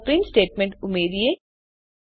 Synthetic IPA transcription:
pɾĩːnsʈeːʈ̚mẽɳʈʊmeːɾie

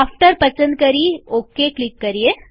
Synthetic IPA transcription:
afʈəɾpət͡ɕənd̪̚kəɾiːokeklikːəɾije

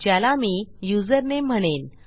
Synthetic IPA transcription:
d͡ʑjalamiːjud͡zəɾnem̤əɽ̃en

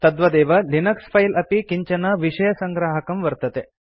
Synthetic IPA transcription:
t̪ɐd̪ʋɐd̪ɛːʋɐlinɐkspʰɐjlɐpikiɲt͡ʃɐnɐʋiʂɐjɐsɐŋɡɾaːɦɐkɐmʋɐɾt̪ɐt̪e

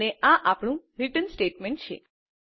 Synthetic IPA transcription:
eʔãʔapɳ̃ũɾiʈənsʈeʈmẽɳʈ̚t͡ʃʰḛ

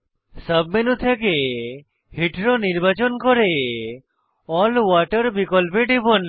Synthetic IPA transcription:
səbmenut̪ʰeke | hiʈɾɔniɾbat͡ʃɔnkɔɾe | ɔlwaʈəɾbikɔlpeʈibɔn

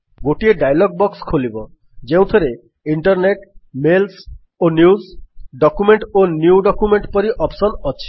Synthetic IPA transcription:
ɡoʈieɖajlɔɡ̚bɔkskʰolibɔ | d͡ʒeũt̪ʰɔɾe | iɳʈɔɾneʈmels | onjuzɖɔkumeɳʈonjuuɖɔkumeɳʈpɔɾiʔɔpsɔnɔt͡ʃʰi̥

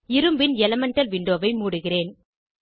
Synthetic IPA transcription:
ɪɾɯmbɪnɛlɐmɐɳʈɐlʋɪɳɖoːʋɐɪmuːɽɯɣɪreːn

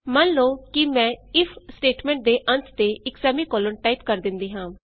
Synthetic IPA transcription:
mənloːkɪmɛ̃ːɪpʰsʈeːʈmɛ̃ːɳʈ̚d̪eːʔənt̪t̪eːɪksɛːmiːkɔːlənʈaːiːpkəɾd̪ɪnd̪iːɦãː

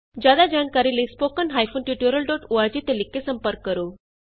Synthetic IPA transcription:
d͡ʑad̪ad͡ʑankaɾilespokənɦajfonʈjuʈjəɾəlɖɔʈuaɾd͡ʑit̪elikːesəmpəɾkːəɾo

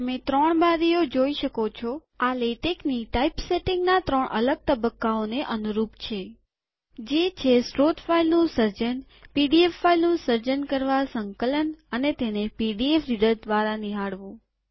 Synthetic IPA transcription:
mẽt̪ɾəɳ̃baɾijod͡ʒoiʃəkot͡ʃʰɔ | alejʈekniʈaipseʈɪ̃ŋɡnat̪ɾəɳʔə̰ləɡ̚t̪əbəkːaoneʔənuɾupt͡ʃʰe | d͡ʒet͡ʃʰesʈɾot̪failnũsəɾd͡ʒən | piɖiefːailnũsəɾd͡ʒənkəɾʋasəŋkələnənet̪enepiɖiefɾiɖəɾd̪ʋaɾaniɦaɽʋũ

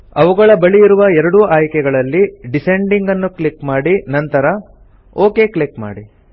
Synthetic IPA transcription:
ɐʋuɡɐɭɐbɐɭiːɾuʋɐɛɾɐɽuʔaːjkɛɡɐɭɐlːiɖiseɳɖiŋɡɐnːuklikmaːɽinɐnt̪ɐɾɐ | o̞ːke̞ːkɭikma̰ːɽi

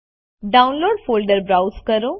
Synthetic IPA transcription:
ɖaːʊ̃nloːɖfoːlɖəɾbɾawskəɾõ

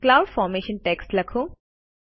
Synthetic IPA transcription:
klaːʊɖfɔːɾmeːʃənʈeːksʈlɐkʰoː

